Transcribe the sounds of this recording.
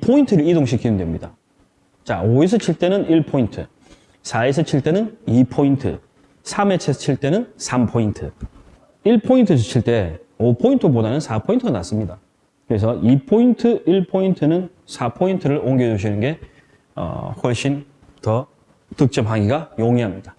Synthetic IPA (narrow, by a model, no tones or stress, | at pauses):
pʰointʰɯɾɯɭidoŋɕʰikiɯmndwe̞mɲida̰ | t͡ɕaoes̬ʰʌt͡ɕʰiɭt͈e̞nɯniɭpʰointʰɯ | sʰaesʰʌt͡ɕʰiɭt͈e̞nɯnipʰointʰɯ̰ | sʰamet͡ɕʰesʰʌt͡ɕʰiɭt͈e̞nɯnsʰampʰointʰɯ | iɭpʰointʰɯsʰot͡ɕʰiɭt͈e̞opʰointʰɯbodanɯnsʰapʰointʰɯɡanas͈ɯmɲida | kɯɾe̞s̬ʰʌʔipʰointʰɯiɭpʰointʰɯnɯn | sʰapʰointʰɯɾɯɭoŋɡed͡ʑuɕ̬ʰinɯnɡe̞ | ʌ̰ɸwʌɭɕ͈in | tʌ | tɯk̚t͡ɕ͈ʌpɦaŋɡiɡajoŋiɦamɲid̥a